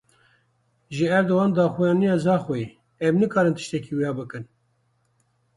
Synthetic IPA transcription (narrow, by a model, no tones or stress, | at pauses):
ʒɨɛɾd̪owɑːnd̪ɑːxujɑːnijɑːzɑːxoi | ɛmnɨkɑːɾɨnt̪ɨ̥ʃt̪ɛkiːwijɑːbɨkɨn